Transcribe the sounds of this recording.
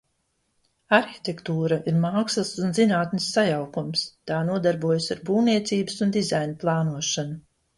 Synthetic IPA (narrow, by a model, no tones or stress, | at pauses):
aɾçi̥t̪ekt̪uːɾaʔiɾmaːkslasunzinaːt̪nisːajawkumst̪aːnuɔd̪aɾbuɔjsaɾbuːwniɛt̪siːbəsund̪izajnuplˠɑːnuɔʃanu